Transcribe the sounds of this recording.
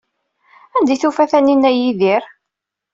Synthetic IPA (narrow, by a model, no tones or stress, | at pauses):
ænd̪iθufæθæninːæjiðiɾ